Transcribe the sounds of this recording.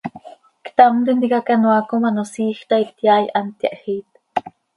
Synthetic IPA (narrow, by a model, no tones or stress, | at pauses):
kt̪amd̪ind̪ikakanuakomanosiːxt̪aikt̪jajʔant̪jaʔxiːt̪